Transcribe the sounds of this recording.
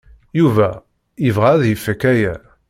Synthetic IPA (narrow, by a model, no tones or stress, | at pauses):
juvæ | ivʁaðjəfːəkːæjæ